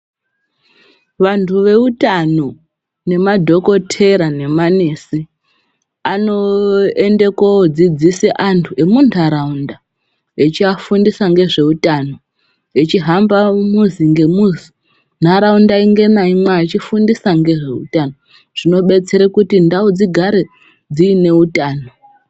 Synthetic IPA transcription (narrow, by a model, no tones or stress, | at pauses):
ʋantʰuʋe̞utano | ne̞madʱo̞ko̞tʰe̞ɾane̞mane̞si | ano̞e̞nde̞kwaod͡zid͡ziseʔantʰue̞muntʰaɾaunda | et͡ʃiafundisaŋɡe̞ʐe̞utano̞ | et͡ʃiɦambamuziŋɡe̞muzi | n̤aɾaundaiŋɡe̞naimwaːt͡ʃifundisaŋɡe̞ʐe̞̰ṵtano | ʐ̥ino̞ɓe̞t͡se̞ɾekutindaod͡ziɡʱaɾe | d͡ziːne̞utaːno